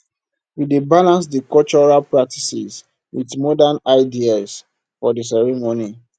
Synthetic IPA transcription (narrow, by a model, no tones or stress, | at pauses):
widebalãns̬dikɔlt͡ʃɔɹalpɹak̚tisis | witmɔdanaɪdias | fɔdis̬ɛɹɛmoni